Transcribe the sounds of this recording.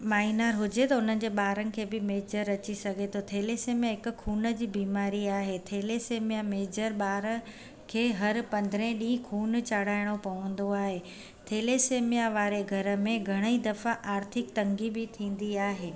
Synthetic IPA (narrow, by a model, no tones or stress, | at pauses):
maːinaɾɦʊd͡ʑet̪ɐʊn̤ənɪ̆d͡ʑeːɓaːɾənɪ̆kʰeːbɪmeːd͡ʑəɾɐt͡ɕisɐɡʱet̪ʰot̪ʰeːleseːmãɦɪkʊ̆kʰuːnə̆d͡ʑiːbiːmaːɾiaːɦet̪ʰeːleseːmijameːd͡ʑəɾɓaːɾə | kʰeːɦɐɾpɐ̃nd̪ʱɾẽɗĩːkʰuːnt͡ɕaːɽ̤aːɪɽ̃opɐʋə̃n̆d̪oaːɦe | t̪ʰeːleseːmijaʋaːɾeɡʱɐɾə̆mẽɡʱɐɽ̃əid̪ɐfaʔaːɾt̪ʰɪkt̪ɐ̃ŋɡibɪt̪ʰĩːn̆d̪iaːɦeː